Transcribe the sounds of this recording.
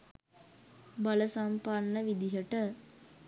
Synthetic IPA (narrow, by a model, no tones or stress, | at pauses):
bɐləsampaɳːəʋid̪iɦəʈə